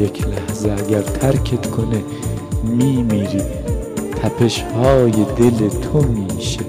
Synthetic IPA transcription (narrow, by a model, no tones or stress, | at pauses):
ekʰlæhzeæɡæɾt̪ʰæɾkʰet̪kʰone | miːmiːɾiː | t̪ʰæpʰe̞ʃhɒːjed̪elet̪ʰomiːʃe